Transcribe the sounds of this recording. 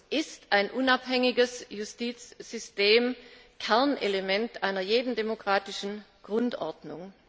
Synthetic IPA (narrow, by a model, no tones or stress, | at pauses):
ʔɪstaɪnʔʊnaphɛŋɪɡəsjustiːt͡sz̥ʏsteːm | kʰɛɐnʔelemɛntʔaɪnɐjeːdn̩demokʁ̥aːtɪʃn̩ | ɡ̥ʁʊntʔɔɐdnʊŋ